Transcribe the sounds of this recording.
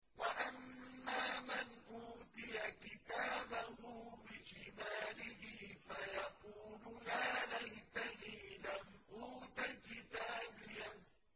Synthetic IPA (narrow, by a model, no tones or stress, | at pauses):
waʔamːaːmanʔuːt̪ɪjakɪt̪aːbahʊbɪʃɪmaːlɪhɪfajɑquːlʊjaːlajt̪aniːlamʔuːt̪akɪt̪aːbɪjan